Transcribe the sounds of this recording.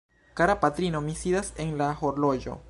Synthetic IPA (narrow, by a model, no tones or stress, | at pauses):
kaɾapat̪ɾinomisiðaseŋlaxoɾloʝo̰